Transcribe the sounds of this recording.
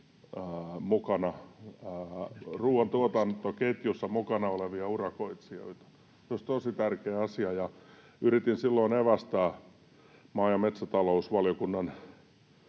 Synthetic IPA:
əːmukɑnɑ | ruːɑnt̪uot̪ɑnt̪oket̪jusːɑmukɑnɑoleʋiɑurɑkoit̪sio̰it̪ɑ̥ | soist̪osit̪ærkeːɑsiɑjɑ | yɾit̪insilːoineʋæst̪æː | mɑːjɑmet̪sæt̪ɑlousʋɑljokunːɑn

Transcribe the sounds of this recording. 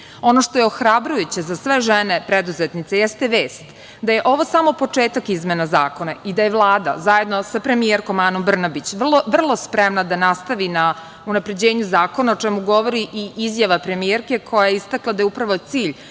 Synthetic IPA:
o̞no̞ʂt̪o̞jeoxɾabɾujut͡ɕezasʋeʒenepɾed̪uzet̪nit̪sejɛst̪eʋeːst̪ | d̪aje̞ʔo̞ʋo̞saːmo̞po̞t͡ʂeːt̪akizmenazaːko̞naid̪ajeʋlˠaːd̪a̰zaje̞d̪no̞sapɾe̞mijeɾkomaːnombr̩nabit͡ɕʋrlˠoʋr̩lˠospɾemnad̪anast̪aʋina | unapɾe̞d͡ʑeːɲuzaːko̞naot͡ʂɛmuɡo̞ʋo̞ɾiʔiʔizjaʋapɾe̞mieɾke̞kʰo̞jajeist̪aklˠad̪ajupɾaʋo̞t̪siːʎ

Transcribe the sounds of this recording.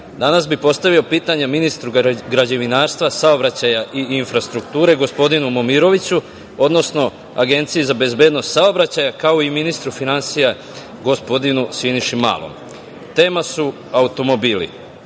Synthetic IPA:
d̪anasbipo̞st̪aʋio̞piːt̪aɲaminist̪ɾuɡɾad͡ʑeʋinaːɾst̪ʋasaobɾat͡ɕajaʔiinfɾast̪ɾukt̪uːɾe̞ɡo̞spo̞d̪inumo̞miɾo̞ʋit͡ɕu | o̞d̪no̞sno̞ | a̰ɡe̞nt̪sijezabe̞zbe̞ːd̪no̞st̪saobɾat͡ɕajakaoiminist̪ɾufinansija | ɡo̞spo̞d̪inusiniʃima̰ːlˠo̰m | t̪e̞ːmasu | aut̪o̞mo̞biːlḭ

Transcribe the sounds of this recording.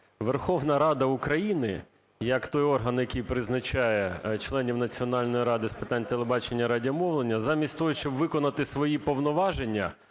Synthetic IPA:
ʋerxɔʋnɐɾɑd̪ɐukɾɐjinɪ | jɐkt̪ɔjɔrɦɐnjɐkʲijpɾɪznɐt͡ʃɑjɛt͡ʃlˠɛnʲiwnɐt͡sʲiɔn̪ɑlʲnɔjiɾɑd̪ɪspɪt̪ɑnʲt̪elˠebɑt͡ʃenʲːɐɾɑdʲiɐmɔʋlˠenʲːɐzɑmʲisʲtʲt̪ɔɦjʊʃt͡ʃɔbʋɪkɔnɐt̪ɪsʋɔjipɔʋnɔʋɑʒenʲːɐ̰

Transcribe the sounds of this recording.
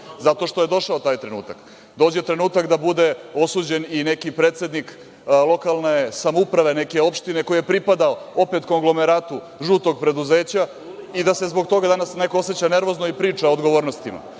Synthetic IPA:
zat̪o̞ʃt̪oje̞d̪o̞ʃaot̪aːjt̪ɾe̞nṵːt̪ak | d̪o̞ːd͡ʑjet̪ɾe̞nuːt̪akd̪abud̪e̞o̞suːd͡ʑe̞nine̞kipɾeːt̪se̞d̪nik | lˠo̞kalˠnesamoupɾaʋe̞ne̞ke̞o̞pʃt̪ine̞ko̞ijepɾipad̪aoo̞pe̞t̪ko̞ŋɡlˠo̞me̞ɾaːt̪u | ʒuːt̪o̞ɡ̚pɾe̞d̪uze̞ːt͡ɕa | id̪ase̞zbo̞ɡt̪o̞ɡad̪anasne̞ko̞ose̞t͡ɕane̞ɾʋo̞zno̞ipɾiːt͡ʂaod̪ɡo̞ʋo̞ːɾnost̪ima̰

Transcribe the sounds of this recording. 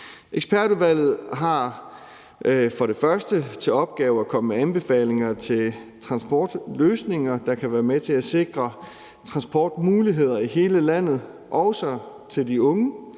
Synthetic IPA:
ʔeɡ̥sb̥æɐɾ̥uʋæl̰ð̞̩ˠɦɑ̈ | fɒ̽ɾe̝fɶɐsd̥ət͡sʰe̝lɒ̽b̥̚ɡ̥ɛːʊækʰɒ̽məmeænb̥e̝fɛ̰ːle̝ŋɐt͡sʰe̝lt͡sʰʁɑ̈nsb̥ɒ̰ːd̥løːsne̝ŋɐd̥ɑ̈kʰæʋæːɐmet͡sʰe̝æse̝ɡ̥ʁɐ | t͡sʰʁɑ̈nsb̥ɒ̰ːd̥muːliɦe̝ð̞̰ˠɐiɦe̝ːləlæn̰ð̞̩ˠ | ʔɒʊsɒ | t͡sʰe̝ld̥iɔ̽ŋə

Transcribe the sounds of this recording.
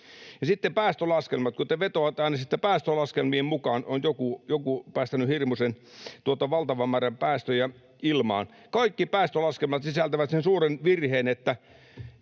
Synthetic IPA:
jɑsit̪ːepæːst̪ølɑskelmɑt̪kot̪eʋet̪oʋɑt̪ɑˑinɑsit̪ːepæːst̪ølɑskelmiemmukɑːnonjokujokupæːst̪ænyhirmusent̪uot̪ɑʋɑlt̪ɑʋɑmːæːræmpæːst̪øjæ | ilmɑ̰ːn | kɑikːipæːst̪ølɑskelmɑt̪sisælt̪æʋæt̪sensuːrenʋirheːnet̪ːæ

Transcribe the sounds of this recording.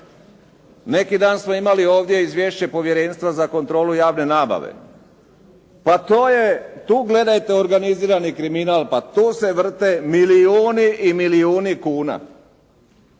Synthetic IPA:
ne̞kid̪aːnsmo̞imalio̞ːʋd̪je̞izʋje̞ʃt͡ɕe̞po̞ʋje̞ɾe̞nst̪ʋazako̞nt̪ɾo̞ːlujaːʋne̞naːba̰ʋḛ | pat̪oːjet̪uːɡle̞d̪ajt̪e̞o̞ɾɡaniziːɾanikɾiminaːlˠpat̪uːse̞ʋr̩t̪emiliuːniʔimiliuːnikuːna̰

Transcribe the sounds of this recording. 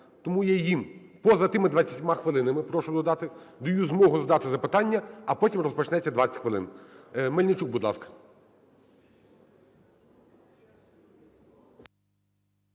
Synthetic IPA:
t̪ɔmujɛjim | pɔzɐt̪ɪmɪd̪ʋɐt͡sʲːɐtʲmɑxʋɪlˠɪnɐmɪpɾɔʃʊd̪ɔd̪ɑt̪ɪd̪ʊjuzmɔɦʊzɐd̪ɑt̪ɪzɐpɪt̪ɑnʲːɐɐpɔtʲimrɔspɔt͡ʃnɛt͡sʲːɐd̪ʋɑt͡sʲɐ̥tʲxʋɪlˠɪ̰nmɛlʲnʲɪt͡ʃuɡ̚bud̪lˠɑ̰skɐ̥

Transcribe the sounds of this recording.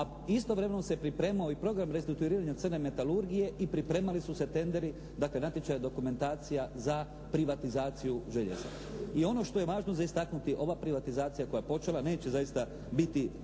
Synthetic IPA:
a | ist̪o̞ʋɾeme̞nosepɾipɾe̞ːmao̞ipɾo̞ɡɾamɾest̪ɾikt̪uiɾiːɾaɲat̪sɨrne̞me̞t̪aluɾɡije̞ʔipɾipɾe̞ːmalisuse̞t̪e̞nd̪e̞ɾi | d̪akle̞nat̪je̞t͡ʃajad̪o̞kume̞nt̪aːt̪sijaza | pɾiʋat̪izaːt̪sijuʒe̞ʎḛza̰ | io̞no̞ʃt̪o̞je̞ʋaːʒnozaist̪aknut̪iʔo̞ʋapɾiʋat̪izaːt̪sijako̞jajepo̞t͡ʃelˠane̞ːt͡ɕezajist̪a | bit̪i

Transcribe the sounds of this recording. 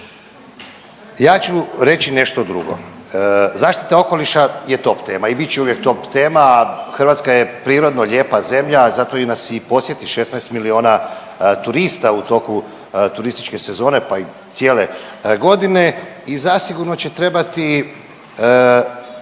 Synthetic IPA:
jaːt͡ɕuɾe̞t͡ɕine̞ʃt̪o̞d̪ɾṵɡo̞̰ | zaːʃt̪i̥t̪ao̞ko̞liʃajet̪o̞pt̪e̞ːmaibit̪̚t͡ɕeuʋjek̚t̪o̞pt̪eːmaxrʋat̪skajepɾiːɾo̞d̪no̞ʎe̞ːpaze̞mʎazat̪o̞inasipo̞sje̞t̪iʃe̞snajst̪milio̞ːna | t̪uɾist̪aut̪o̞ku | t̪uɾist̪i̥t͡ʃke̞se̞zo̞ːne̞pait̪jeːle̞ɡo̞d̪ine̞izasiɡuɾno̞t͡ɕet̪ɾe̞bat̪i

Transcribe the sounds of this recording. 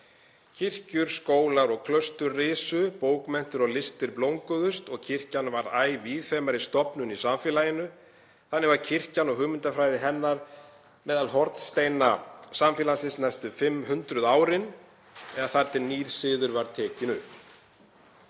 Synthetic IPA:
cʰɪr̥cʏɾ̥skoːwlaɾɔɣkʰlœst̪ʏrːɪːsʏpoːwkmɛn̥t̪ʏɾɔɣlɪst̪ɪɾplowŋkʏðʏst̪ɔɣcʰɪr̥canvaɾaːjviðθɛmaɾist̪ɔpnʏnisamfɛːlajɪnʏ | θanːɪɣvaɾ̥cʰɪr̥canɔɣhʏːmɪnt̪afɾaːjðɪɦɛnːaɾ | mɛːðalɦɔɾt̪nst̪ejnasamfɛːlansɪsnɛst̪ʏfɪmːɦʏnt̪ɾʏðaːwɾɪn | ɛɣaθaɾt̪ːɪnːiːð̥sɪːðʏɾvaɾ̥t̪ʰɛːcɪnʏp

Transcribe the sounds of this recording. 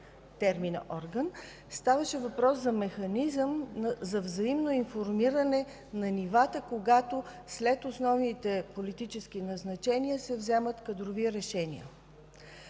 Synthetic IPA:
t̪ɛɾminɐ̰ʔɔɾɡən | st̪avəʃɛvɐpɾɔszɐmɛxɐnizəmzɐvzɐimnoinfoɾmiɾənɛ | nɐnivat̪əkoɡat̪o | slɛt̪osnɔvnit̪ɛpolit̪it͡ʃɛsk̟inɐznɐt͡ʃɛniəsɛvzɛmət̪kəd̪ɾoviɾɛʃɛnḭə̰

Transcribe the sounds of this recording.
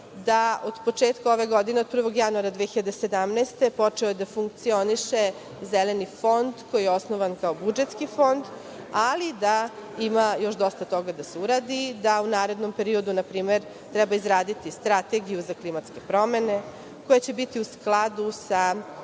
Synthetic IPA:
d̪aod̪̥po̞t͡ʂeːt̪kao̞ʋeɡo̞d̪ineo̞d̪̚pɾr̩ʋo̞ɡjanuaɾad̪ʋexiʎad̪esed̪amneːst̪e̞po̞t͡ʂeojed̪afuŋk̚t̪sio̞niʃe̞ | zelenifo̞nd̪ko̞jijeo̞snoʋankao̞bud͡ʒet̪skifo̞nd̪ | alid̪aimajo̞ʃd̪o̞st̪at̪o̞ɡad̪aseuɾaːd̪id̪aunaːɾe̞d̪no̞mpe̞ɾiod̪unapɾiːmeɾ | t̪ɾɛbaizɾaːd̪it̪ist̪ɾat̪e̞ɡijuzaklimat̪ske̞pɾo̞me̞ne̞ | kojat͡ɕe̞bit̪iusklˠad̪usa

